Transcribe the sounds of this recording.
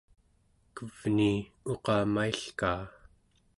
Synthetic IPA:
kəv̥ni | o̞qɑːmaiɬkaː

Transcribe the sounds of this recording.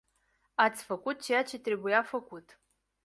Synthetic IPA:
at̪sʲfəkʷut̪̚t͡ʃe̞jat͡ʃʰe̞t̪ɾe̞bujafəkʷutʼ

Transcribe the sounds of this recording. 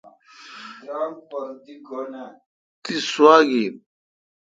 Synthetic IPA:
ɾaːŋpɐɾd̪iɡona | t̪iswaːɡi

